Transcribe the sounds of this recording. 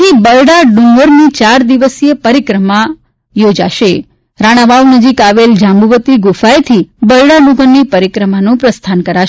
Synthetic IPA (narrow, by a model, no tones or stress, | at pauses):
ibəlɽaɖũŋɡəɾnit͡ʃaɾd̪iʋəsepəɾikɾəma | jod͡ʒa̰ʃe | ɾaɽ̃aʋaʋnəd͡ʒikaʋeld͡ʒãmɡuʋət̪iɡufajt̪ʰibəlɽaɖũɡənːipəɾikɾəmanũpɾəst̪ʰankəɾaʃ